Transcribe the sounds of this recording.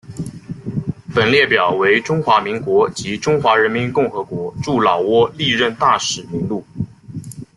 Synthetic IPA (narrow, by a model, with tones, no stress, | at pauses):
pə˨˩nljɛ˥˩pjɑ˨˩ʊwe˧˥ɪʈ͡ʂʊ˥ŋxwa˧˥mi˧˥ŋkwɔ˧˥t͡ɕi˧˥ʈ͡ʂʊ˥ŋxwa˧˥ɻə˧˥nmi˧˥nkʊ˥˩ŋxɤ˧˥kwɔ˧˥ʈ͡ʂu˥˩lɑ˨˩ʊwɔ˥li˥˧ɻə˥˧nt̪a˥˩ʂɻ̩˨˩mi˧˥ŋlu˥˩